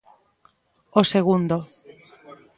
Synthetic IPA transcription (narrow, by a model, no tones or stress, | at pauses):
oseɣund̪o